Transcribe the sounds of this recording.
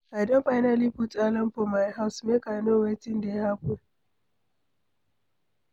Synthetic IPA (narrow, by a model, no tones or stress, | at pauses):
ʔadɔmɸajnaliɸut͡sʼaːlɐmɸɔmajɦawsmekanowetɪndehaku